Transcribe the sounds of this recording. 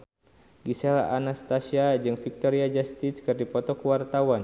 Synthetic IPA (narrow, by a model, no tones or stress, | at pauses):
ɡisɛlaanast̪asiad͡ʒɨŋfik̚t̪ɔɾiad͡ʒast̪iskɨrdipɔt̪ɔkuwart̪awan